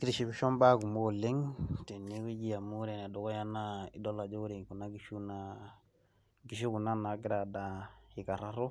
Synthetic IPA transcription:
kɾi˨ʃi˨bi˨ʃo˦mba˦ku˨mo˦˨le˦ŋte˨ni˦wi˦d͡ʒi˦˨ja˨mu˦ɾe˨ne˨do˨ko˦ja˦na˦i˨do˦la˨d͡ʒo˦ɾi˨ŋku˨na˦ɡi˨ʃu˦na˦ | ɡi˨ʃu˦ku˨na˦na˨ɡi˦ɾa˨da˨hi˨ka˨ɾa˦ɾo˦

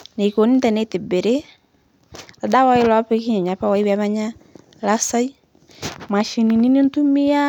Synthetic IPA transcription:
ne˨ko˨nɪ˦ntɛ˨nɛ˨tɪ˨bɪ˨ɾɪ˦ | a˨da˦wa˦jlɔ˦pɪ˦kɪ˦ɲɛ˨ɲa˨pa˦wa˦jwɛ˦ma˦ɲa˦ | la˦sa˦j | ma˨ʃi˨ni˨ni˦ni˦ntu˦mi˦a˦

